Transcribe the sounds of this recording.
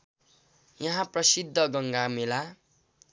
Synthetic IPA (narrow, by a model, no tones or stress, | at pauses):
jʌɦãprʌsid̪ʱːʌɡʌŋɡamela